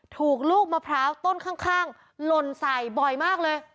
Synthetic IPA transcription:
t̪ʰuː˨˩k̚luː˥˩k̚maː˧pʰɾaː˦˥wt̪o˥˩nkʰaː˥˩ŋkʰaː˥˩ŋ | lo˧nsa˨˩jbɔ˨˩jmaː˥˩k̚lɤː˧j

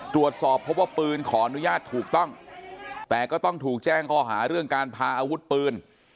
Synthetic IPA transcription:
t̪ɾu˨˩ət̪̚sɔː˨˩pʰːo˦˥p̚waː˥˩pɯː˧nkʰɔː˩˦ʔa˧nu˦˥jaː˥˩t̪ʰːuː˨˩k̚t̪ɔ˥˩ŋ | t̪ɛː˨˩kɔː˥˩t̪ɔ˥˩ŋt̪ʰuː˨˩k̚t͡ɕɛː˥˩ŋkʰɔː˥˩ɦaː˩˦ɾɯ˥˩əŋkaː˧npʰaː˧ʔaː˧wu˦˥t̪̚pɯː˧n

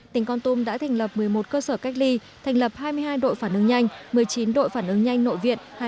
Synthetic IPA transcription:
t̪ï˨˩ŋ̟kɔ˧nt̪u˧mɗa̰ː˧˥t̪ʰa˨˩jŋ̟lə˨˩p̚mɨ˨˩əjmo˨˩t̚kəː˧səː˧˩ka˦˥k̟̚li˧t̪ʰa˨˩ŋ̟lə˨˩p̚haː˧jmɨ˧əjɦaː˧jɗo̰˧˨jfaː˧˩nʔɨ˨˧˦ŋɲa˧jŋ̟mɨ˨˩əjt͡ɕi˨˦nɗo̰˧˨jfaː˧˩nʔɨ˨˦ŋɲa˧jŋ̟no̰˧˨jvḭ˧˨ənha˧

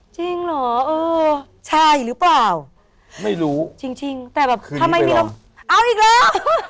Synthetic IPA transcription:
t͡ɕi˧ŋlɔː˨˩˦ʔɤː˧ | t͡ɕʰa˥˩jlɯː˨˦˥plaː˨˩w | ma˥˩jɾuː˦˥t͡ɕi˧ŋt͡ɕi˧ŋt̪ɛː˨˩bɛː˨˩p̪ːʰa˧mha˧jmiː˧˩kʰa˧˦m | ʔaː˧˥˩wʔiː˨˩k̚lɔː˨˦˥

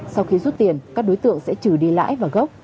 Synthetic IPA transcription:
sa˧wxi˧zu˦˥t̚t̪i˨˩ənkaː˦˥k̚ɗo˨˦jt̪ɨ̰˧˨əŋsɛ̰˧˥t͡ɕɨ˧˩ɗi˧la̰ː˧˥jvaː˨˩ɣə˦˥wk͡p̚

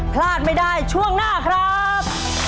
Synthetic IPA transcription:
pʰlaː˥˩t̪̚ma˥˩jdaː˥˩jt͡ɕʰu˥˩əŋnaː˥˩kʰɾa˦˥ | p̚

